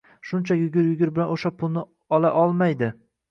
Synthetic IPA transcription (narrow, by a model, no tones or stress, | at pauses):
ʃʊnt͡ʃʰajʊɡʲɪɾjʊɡʲɪɾbɪlanoʃapʰʊlˠnɪ | ɒlaʔɒlˠmajd̪ɪ